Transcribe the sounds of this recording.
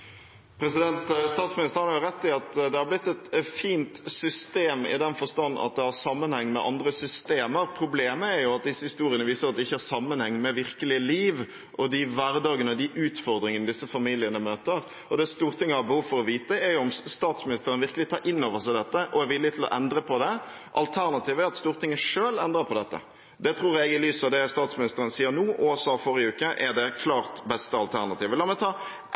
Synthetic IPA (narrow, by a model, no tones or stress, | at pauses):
pʰɾɛsɪd̪ɛnt̪st̪ɑːt̪smɪnɪst̪əɾhɑnɑɾjʊɾɛt̪ːɪɑt̪d̪ɛhɑɾblɪt̪ːɛt̪fiːnt̪sʏst̪eːmɪ̰d̪ɛnfɔst̪ɑnːɑ̰t̪̚d̪ɛhɑɾsɑmːənhɛŋːmɛ̰ʔɑ̰nd̪ɾəsʏst̪eːməɾpʰɾʊbleːməæɾjʊɑt̪̚d̪ɪsːəhɪst̪uːɾɪənəʋiːsəɾɑt̪d̪ɛɪçːəhɑɾsɑmːənhɛŋːmɛʋɪɾkəlɪəliːʋ | ʔɔd̪ɪʋæɾd̪ɑːɡənəɔd̪ɪʔʉːt̪fɔɾd̪ɾɪŋənəd̪ɪsːəfɑmiːlɪənəmøːt̪əɾ | ɔd̪ɛst̪uːɾt̪ɪŋːəhɑɾbəhuːʋfɔɾɔʋiːt̪əɛɾjʊɔmst̪ɑːt̪smɪnɪst̪əɾənəʋɪɾkəlɪt̪ʰɑːɾʔɪnːoːʋəʂæɪd̪ɛt̪ːəʔɔɛʋɪlːɪət̪ʰɪlɔ̰ʔɛnd̪ɾəpʰɔd̪ɛ | ʔɑlt̪ʰæɾnɑt̪ʰiːʋəæɾɑt̪st̪uːɾt̪ɪŋːəʂøːlɛnd̪ɾəpʰɔd̪ɛt̪ːə̰ | d̪ɛt̪ʰɾuːɾɛɡɪlyːsɔd̪ɛst̪ɑːt̪smɪnɪst̪əɾənəsiːəɾnuːʔusɑːfɔɾɪʉːkəʔɛd̪ɛkʰlɑːɾt̪bɛst̪əɑlt̪ʰæɾnɑt̪iːʋəlɑːmɛt̪ʰɑː